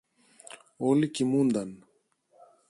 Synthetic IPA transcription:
oːlikimuːnd̪an

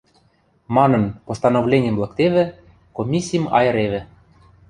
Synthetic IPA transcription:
mɑnɤ̆npost̪ɑnovlʲenʲə̆mblˠɑkt̪eβɘ̆ | komʲisʲːijəmɑ̰jɤ̆ɾeβɘ̆

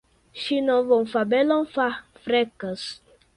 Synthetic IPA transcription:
ʃinɔvɔm̩fabɛlɔn̩fafɾɛkəs

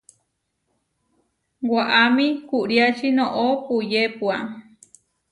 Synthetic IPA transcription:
waʔamĩkuʔɾiat͡ʃinõʔopujepua

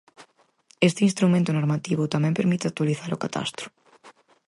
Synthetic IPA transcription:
est̪ɪinst̪ɾumẽnt̪onoɾmat̪iβʊt̪amɛ̃mpeɾmit̪ɪat̪waliθaɾokat̪a̰st̪ɾʊ̥

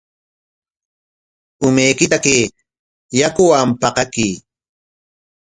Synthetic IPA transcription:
ʊmejkɪt̪akeː | jakʊwampɑqɑkiː

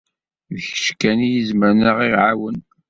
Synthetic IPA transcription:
ðəçə̥ʃkænijizməɾnəʁiʕawən

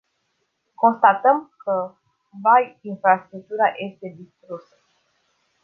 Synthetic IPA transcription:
ko̞nst̪at̪əmkə | vajinfɾast̪ɾuk̚t̪uɾajʔe̞st̪e̞d̪ist̪ɾusə̥

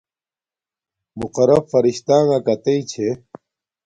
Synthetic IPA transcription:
muqɐɾɐbfɐɾiɕt̪aːŋakɐt̪eit͡ɕʰe

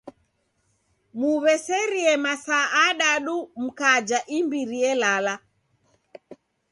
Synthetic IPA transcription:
muβɛsɛɾiɛmasaːɗaɗum̩kad͡ʒaʔimbiɾiɛlala

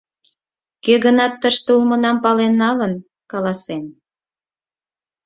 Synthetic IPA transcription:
køɣənɑt̪ːəʃt̪ulmənɑmpɑlenːɑlən | kɑlɑsen

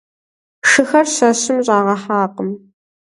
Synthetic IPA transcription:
ʂɨxɐrɕɐɕɪmʑʼaːʁɐħaːqəm

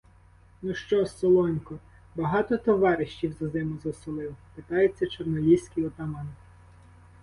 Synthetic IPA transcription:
nuʃt͡ʃɔsɔlˠɔnʲkɔ | bɐɦɑt̪ɔt̪ɔʋɑɾɪʃt͡ʃʲiwzɐzɪmʊzɐsʊlˠɪwpet̪ɑjet͡sʲːɐt͡ʃɔrnɔlʲiwsʲkijɔt̪ɐmɑn

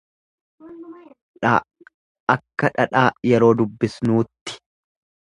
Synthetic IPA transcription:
ᶑaː | ɐkːɐᶑɐᶑaːjɛɾo̞ːd̪ʊbːɪsnuːt̪ːɪ̥

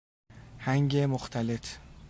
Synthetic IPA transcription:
haŋɡʲemʊχt̪ʰalɪt

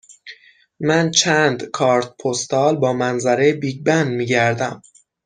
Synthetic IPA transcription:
mænt͡ʃʰænd̪kʰɒːɾt̪̚pʰost̪ɒːlbɒːmænzæɾebiːɟbænd̪miːɟæɾd̪æm

